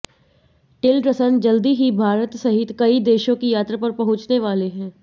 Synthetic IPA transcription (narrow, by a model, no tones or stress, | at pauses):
ʈɪlɾəsənd͡ʒɐld̪iɦibʱaːɾət̪sɐɦɪt̪kɐid̪eːʃõkijaːt̪ɾapɐɾpɐɦʊ̃t͡ʃneʋaːleɦɛ̃ː